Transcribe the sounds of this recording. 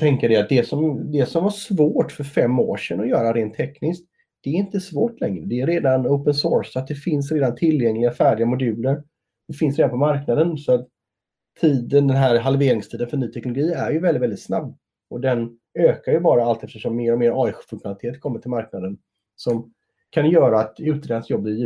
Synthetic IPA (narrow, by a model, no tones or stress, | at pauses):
t̪ʰɛŋkəɖɛat̪̚d̪ɛsɔmd̪ɛsɔmvaʂvoːʈfœɾfɛmːo̰ːʂɛnːɔjœːɾaɾeːnt̪ʰːɛknɪskt̪ | d̪̥ɛːɾɪnt̪əsvoːʈlɛŋɾəd̪ɛːɾeːd̪anoʊpənsoːɾsat̪̚d̪ɛfɪns̬ɾeːd̪ant̪ʰɪljɛŋlɪɡafæːɖɪɡamʊd̪ʉ̟ːləɾ | d̥̪ɛfɪnsɾeːd̪anpʰɔmaɾknad̪ənsɔat̪ʰː | iːd̪ənd̪ɛnɦæɾɦalveːɾɪŋst̪ʰiːd̪ənfœɳyːt̪ʰɛknʊlʊɡiːæɾjɵvɛlɪt̪vɛld̪ɪt̪sna̰bː | ʔɔd̪ɛn | øːkaɾjɵbɑːɾaalt̪ɛft̪əʂɔmːeːɾɔmeːɾɑːɪxfɵŋkɧʊnalɪt̪ʰeːt̪kʰɔmːəʈʰɪlmaɾknad̪ən | sɔm | kʰanjœːɾaːt̪ʉ̟ːt̪ɾeːd̪ansjɔb̪ːɪj